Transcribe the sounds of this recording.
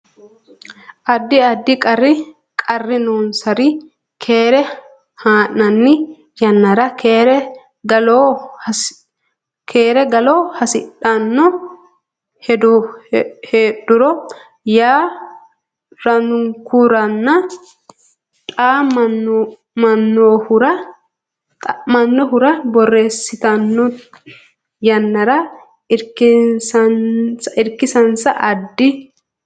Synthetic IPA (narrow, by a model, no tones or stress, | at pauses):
ʔɐd̪ːɪɐd̪ːɪkʼɐrːɪ | kʼɐrːɪnoːnsɐɾɪ | kʰeːɾɛ | haːʔɐnːɪ | jɐnːɐɾɐkːɾ | ɡɐlo | kʰeːɾɛɡɐloːhɐsɪᶑɐnːɔ | hɛd̪ | heːɗʊɾɔ | jaː | ɾɐnʊŋkuɾɐnːɐ | t̪ʼaːɐ | mɐnːohʊɾɐ | tmɐnːɔɦʊɾɐbɔrːe̞ːsːɪt̪ɐnːɔ | jɐnːɐɾɐ | ɪɾksɐnsɐʔɪɾkɪsɐnsɐʔɐd̪ːɪ